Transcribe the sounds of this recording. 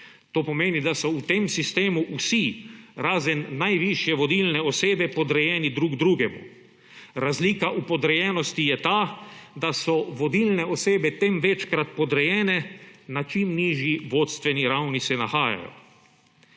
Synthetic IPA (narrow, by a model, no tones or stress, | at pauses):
t̪oːpɔmeːnid̪asɔut̪emsist̪eːmuʔusiɾaːzənːajʋiʃjɛʋɔd̪ilnɛɔseːbɛpɔd̪ɾɛjɛːnid̪ɾuɡd̪ɾuːɡɛmṵ | ɾazliːkaʔupɔd̪ɾɛjɛːnɔst̪ijɛt̪aːd̪asɔʋɔd̪ilnɛɔseːbɛt̪emʋɛt͡ʃkɾat̪pɔd̪ɾɛjɛːnɛnat͡ʃimniːʒjiʋoːt̪st̪ʋɛniɾawnisɛnaxaːja̰jɔ̰